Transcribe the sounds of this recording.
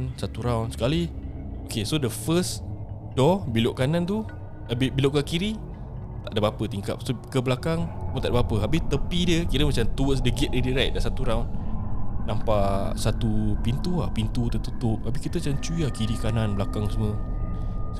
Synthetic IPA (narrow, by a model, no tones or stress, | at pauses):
nsat̪uɾawnsə̥kali | okesodəfəs | d̥ɔbiloʔkanant̪u | abɪhbiloʔkakiɾi | t̪aʔdəpapət̪iŋka̰p̚sokəblakaŋmnt̪aʔdəpapəɦabɪht̪əpidiəkiɾəmat͡ʃamt̪uəsdəɡɪt̪̚didiɾɛk̚dasat̪uɾawnː | ampasat̪upint̪uahpint̪ut̪ət̪ut̪ʊp̚abikit̪ət͡ʃant͡ʃuiakiɾikananblakaŋsəmə | s